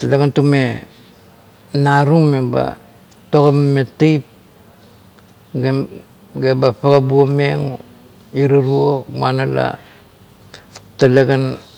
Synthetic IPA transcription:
taleɡantume | naɾumeba̰ | tokammetejp̚ | ɡe | ɡebapaɡabuomeŋ | iɾaɾuomanala̰ | taleɡan

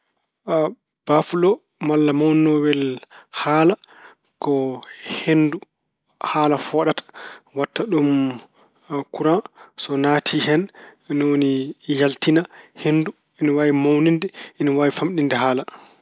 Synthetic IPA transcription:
a | b̥afulɔ | malːamawnɔwɛlhaːla | kɔhendu | haːlafɔːɗatḁwatːaɗum | kuɾasɔnatʰihɛnnonijaltinahendu | iniwawimawnindɛiniwawifamɗindɛɦaːla

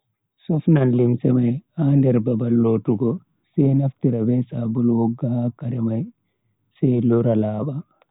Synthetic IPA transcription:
sɔfnanlimsɛmajhandɛɾbabalːotuɡɔ | sɛjnaftiɾabɛsabulwɔɡːahakaɾɛmaj | sɛlɔɾalaːɓa

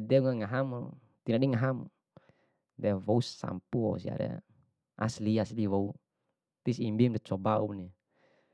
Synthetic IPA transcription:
dɛuŋaŋaɦamo | t̪inaɗiŋaɦamo | dɛvɔusa̰mpuɔ̰sia̰ɾɛ̰ | a̰sliasliwɔu | t̪isimbimdɛt͡ʃɔbauni

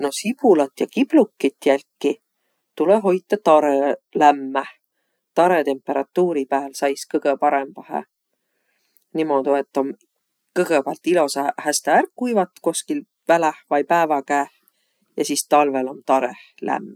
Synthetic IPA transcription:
no̞sipulɑt̪jɑkib̥lukːit̪ːjælʲkːi | t̪uleɦo̞jt̪ːˑɑt̪ɑɾelæmːæ | t̪ɑɾet̪e̞mpːˑe̞ɾɑt̪ːˑuːɾipæːlsɑjskɤɡ̥epɑɾe̞mb̥ɑhḛ | nimo̞d̪uet̪ˑːom | kɤɡ̥epælt̪ːˑilo̞sɑhæst̪ɑærkːujvɑt̪ːˑko̞skil | vælæhvɑjpæːvɑkæːh | jɑsist̪ɑlve̞lo̞nt̪ɑɾeh | læ̰mː

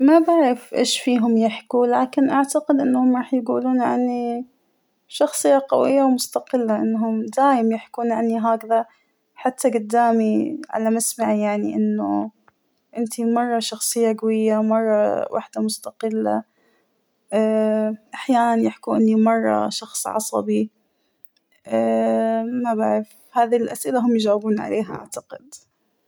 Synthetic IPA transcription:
mabaʕɾɪfʔḛːʃfiːɦʊmjɪħkulaːkɪnʔaʕt̪aqɪd̪ʔɪnːhʊmɾˤɑːħjɪɡuːluːnʕʕani | ʃɑxsˤɨjːaqa̰wɪjːawmʊst̪aqɪlːaʔɪnːɦʊmd̪aːjɪmjɪħkuːnʕanːiɦaːkða | ħat̪ːaɡʊd̪ːaːmiʕa̰lamasmaʕijaʕniʔɪnːʊ | ʔɪnt̪imɑrˤːɑʃɑxsˤɨjːaɡawɪjːamɑrˤːɑwʔa̰ħd̪amʊst̪aqɪlːa̰ | ʔːʔaħjaːnanjɪħkuʔɪnːimɑrˤːɑ̰ʃɑxsˤʕɑ̰sˤɑ̰bi | ʔːmabaʕɾɪf | haːðilʔasʔɪlaɦʊmjɪd͡ʒaːwɪbuːnʕa̰leːɦaʔa̰ʕt̪aqɪd̪

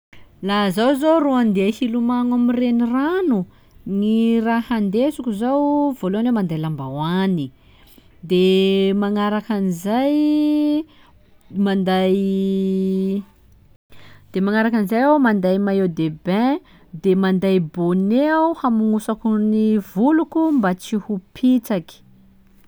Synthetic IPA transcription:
lazawzoruand̪eahilumaŋamireniranu | nirahand̪esukuzawvoloanewmand̪ajlambawani | d̪emaŋaɾakanizaj | mand̪aj | d̪̥emaŋaɾakanizajawmand̪ajmajewd̪ebɛ̃ | d̪emand̪ajbonehamuŋusakunivulukumbat͡sihupʰit͡saki̥

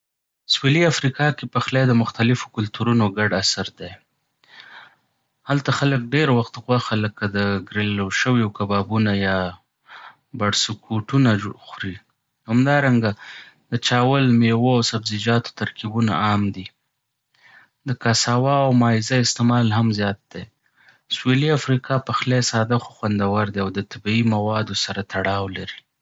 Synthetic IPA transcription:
sweliafɾikɑkepaxlajd̪əmʊxt̪alɪfo̥kʊlt̪uɾunoɡaɖasaɾd̪ej | halt̪axalək̚ɖeɾwaxt̪ɣwaxaləkːad̪əɡɾeloʃəwjokabɑbunajɑ | baɽsukʰuʈunaxɾi | hamd̪ɑɾaŋɡad̪ət͡ʃɑwəlmewoawsabzid͡ʒɑt̪o̥t̪aɾkibuna̰ɑmd̪i | d̪əkasɑwɑawmɑɪzaɪst̪emɑlɦamzjɑt̪̚d̪̥e | sweliafɾikʰɑpəxlesɑd̪axoxwand̪awaɾd̪eawd̪ət̪abiimawɑd̪osaɾat̪aɽɑwlaɾi

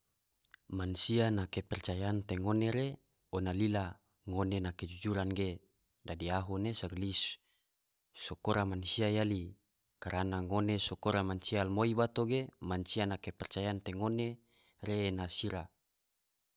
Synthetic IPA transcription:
mansianakepɛrt͡ʃajant̪eŋoneɾe | onalila | ŋonenaked͡ʒud͡ʒuɾanɡe | dadiaɦonesaɡlis | sokoɾamansiajali | kaɾʔanaŋonesokoɾamansialmoibat̪oɡemansianakepɛrt͡ʃajant̪eŋone | ɾenasiɾa

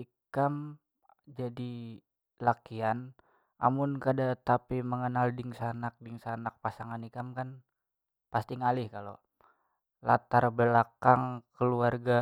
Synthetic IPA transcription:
i | kam | d͡ʒadi | lakian | ʔa̰mʊnkadat̪apiməŋənaldɪŋsanak̚dɪŋsanak̚pasaŋanikamkan | past̪iŋalɪhkalo̰ | lat̪arbəlakaŋkəluarɡa

